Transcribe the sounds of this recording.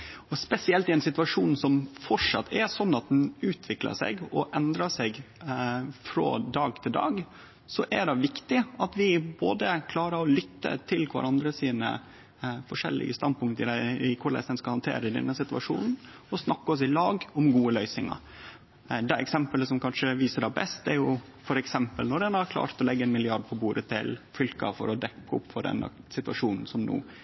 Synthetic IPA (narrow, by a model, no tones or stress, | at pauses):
ɔspɛsɪɛlt̪ɪɛnsɪt̪ʋɑʂuːnsɔmfɔʂɑ̰t̪ʰːɛsɔnːɑt̪̚d̪ɛnʉːt̪ʰʋɪklə̰ʂɛ̰ɡɔʔɛnd̪ɾɑʂɛɡ | fɾo̰ːd̪ɑːɡt̪ʰɪld̪ɑ̰ːɡ | sɔʔæɖɛʋɪkt̪ɪɑt̪ʋɪboːd̪əkʰlɑːɾəɾɔlʏt̪ːə̰t̪ʰɪlkʰʋɑ̰ɾɑnd̪ɾəsiːnə̰ | fɔʂɛ̰lːɪ̰ɡəst̪ɑnd̪pʊŋt̪əɪd̪ɛɪkʰʊɭɛ̰sɛnskɑhɑnt̪ʰḛːɾəɪd̪ɛ̰nːəsɪt̪ʉʋɑ̰ʂṵːnn̩ | ɔsnɑkːəɔs̬ɪlɑːɡɔmɡuːəlœʏsɪŋɑ̰ɾ | d̪ɛɛksɛmpələsɔmkʰɑnʂəʋiːsəɖæbɛst̪ɛɾjʊ | fɔɾɛksɛmpəlnɔɖɛnhɑɾkʰlɑ̰ːɾt̪ɔlɛɡːəɛnmɪlɪɑɖ̚pʰɔbuːɾət̪ʰɪ̰lfʏlkɑ̰fɔ̰ɾɔd̪ɛkːəʊ̰pːfɔɖɛ̰nə̰sɪt̪ʉʋɑʂuːnn̩sɔmnṵː